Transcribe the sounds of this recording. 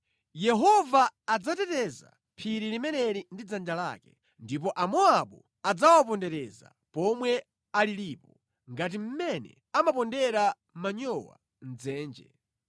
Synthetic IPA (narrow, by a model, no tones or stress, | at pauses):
jɛɦɔvaːd͡zatɛtɛza̰ | pʰiɾilimɛnɛɾindid͡zand͡ʒala̰ːkɛ | ndip̬ɔʔamɔaɓu | ad͡zawapɔndɛɾɛza̰ | pɔmwɛ | aliliːpɔ | ŋɡat̬im̩mɛnɛ̰ | amapɔndɛɾa | maɲɔwa̰ | n̩d͡zɛːnd͡ʒɛ̰